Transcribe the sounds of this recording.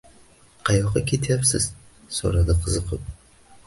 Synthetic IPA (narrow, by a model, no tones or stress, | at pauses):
qʰɑjɑqɑkʰʲet̪ʰjapsɨ̰z̥ | so̰ɾad̪aqʰəzɨqəp̚